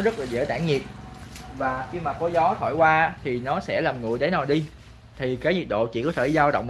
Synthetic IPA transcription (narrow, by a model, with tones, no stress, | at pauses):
zə˦˥t̚laː˨˩zə̰˧˩t̪aː˧˩ŋɲi˨˩t̚vaː˨˩xi˧maː˨˩kɔ˧˨˦jzɔ˨˦t̪ʰo̰˧˩˨jkwaː˧˦˥t̪ʰi˨˩nɔ˨˦sɛ̰˧˥laː˨˩mŋɨ̰˨˩əjɗə˨˦naː˨˩ɗi˧ | t̪ʰi˨˩kaː˨˦jɲi˨˩t̚ɗo̰˧˨t͡ɕḭ˧˩kɔ˨˦t̪ʰeː˧˨˧zaː˧wɗə̰˧˨wŋ͡m